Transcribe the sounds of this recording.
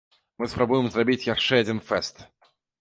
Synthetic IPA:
mɨspɾabujɪmzrabʲit͡sʲjaʂʂɛad͡zʲinfɛst̪

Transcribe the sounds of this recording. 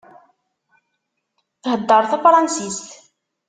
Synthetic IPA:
θhəd̪ːəɾˤθæfɾˤɑnsist̪

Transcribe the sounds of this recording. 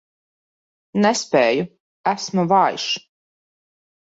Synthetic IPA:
nɛspɛːju | æsmuvɑːj̰ʃ

